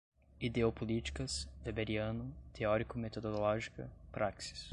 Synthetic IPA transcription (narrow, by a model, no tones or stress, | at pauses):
id̪eopolit͡ʃi̥kɐsvebeɾiɐ̃nʊt̪ʰeɔɾikʊmet̪od̪olɔʒikɐ̰pɾʔaksi̥s